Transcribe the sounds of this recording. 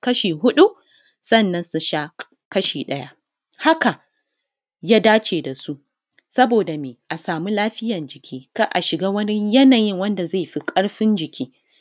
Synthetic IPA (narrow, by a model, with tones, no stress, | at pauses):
kɐ˦ʃiː˨ɦʊ˦ɗu˦ | sɐ˦˨nːɐ˦nsʊ˦nʃa˦ | kɐ˦ʃiː˨ɗɐ˦ja˦ʔ | ha˦ka˨ | jaː˦daː˦t͡ʃeː˨da˨su˦ʔ | sɐ˦boː˨da˨meː˨ʔa˨saː˨mu˦laː˦ɸɪ˦jɐ˨nd͡ʒɪ˨kʲʰiː˦ka˦ʔa˨ʃɪ˨ɡaː˦wɐ˦nɪ˦ɲjɐ˦naː˨jɪ˦ŋwɐ˦nda˨za˦˨ɸi˦kʼɐ˦ɽɸɪ˦nd͡ʒɪ˨kʲiː˦